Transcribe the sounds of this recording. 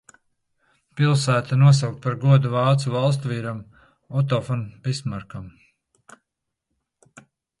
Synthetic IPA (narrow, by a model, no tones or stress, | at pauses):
pilˠsæːt̪anuɔs̬awk̚t̪paɾɡuɔd̪uvɑːt̪suvɑlˠst̪uviːɾam | ɔt̪̬ɔfɔnpismaɾkam